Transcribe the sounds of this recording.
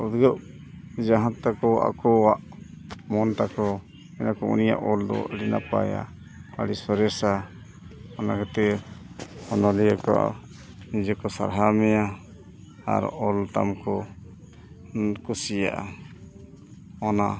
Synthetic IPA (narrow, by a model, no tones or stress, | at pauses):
ud̪ɡəʔ | d͡ʒaɦãt̪akɔa̰kɔwaʔ | mɔnt̪akɔ | ɛnakɔṵnija̰ʔɔld̪ɔ̰ʔɽinapa̰ja̰ | a̰ɽisɔɾɛsa | ɔnakat̪ɛ | ɔnɔliakɔ̰a̰ | nid͡ʒɛkɔsa̰ɾɦamɛja | a̰ɾɔlt̪a̰mkɔ | kusijaʔa | ɔna